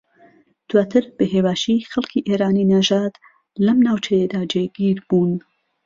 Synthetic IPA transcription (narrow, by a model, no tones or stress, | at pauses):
d̪̥waːt̪ʰɨɾb̥əɦeːwaːʃixɐlkʰiːʔeːɾaːninaʒaːt̪ | lɐmnaːwt͡ʃɐjed̪aːd͡ʒeɡiːɾbuːn